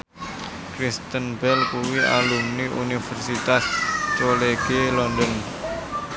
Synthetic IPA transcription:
kɾist̪ənbɛlkuwia̰lumniʔṵnifɛrsit̪ast͡ʃoleɡ̥elɔndɔn

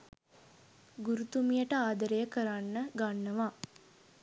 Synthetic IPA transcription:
ɡuɾut̪umijəʈəaːd̪əɾejəkəɾanːəɡanːəʋa

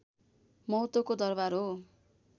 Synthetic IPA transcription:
mʌɦut̪okod̪ʌrbaɾɦo

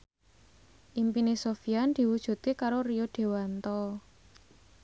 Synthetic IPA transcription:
ʔimpinisofiand̪̥i̤wud̥ʒ̥ṳt̪̚kekaɾorijoɖ̪̥e̤want̪ɔ

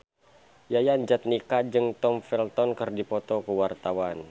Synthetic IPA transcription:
jajand͡ʒat̪̚nikad͡ʒɨŋt̪ɔmfɛlt̪ɔnkɨrdipɔt̪ɔkəwart̪awan

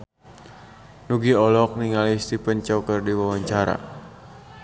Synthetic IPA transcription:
nuɡiɔlɔk̚niŋalist̪ipənt͡ʃɔkərdiwawaɲt͡ʃaɾa̰

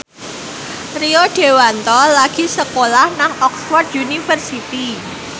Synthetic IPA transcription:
rioɖ̥e̤want̪ɔlaɡ̥i̤səkolahnaŋɔkswɔrd̪unifərsit̪i

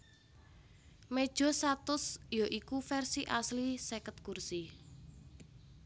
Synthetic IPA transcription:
med̥ʒ̥ɔ̤st̪at̪ʊsjoʔikufɛrsiʔaslisekət̪̚kursi

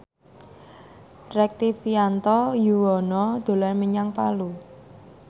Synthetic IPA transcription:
rɛk̚t̪ifiant̪ɔjuwɔnɔd̪̥o̤lɔrməɲaŋpalu

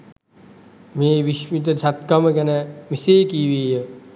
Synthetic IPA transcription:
meːʋiʃmit̪̬ɐt͡ʃʰɐt̪̚kɐmɐɡɐnɐmiseːkiːʋeːjɐ

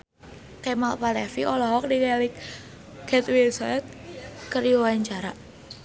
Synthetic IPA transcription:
kɛmalpalɛfiʔɔlɔɦɔk̚dikɛlik | kɛt̪wilsɔɛt̪̚kərdiwawaɲt͡ʃaɾa

